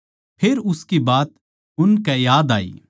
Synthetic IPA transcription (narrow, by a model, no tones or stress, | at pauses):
pʰeːɾʊskibaːt̪ | ʊnkɛjaːd̪a̰ːḭː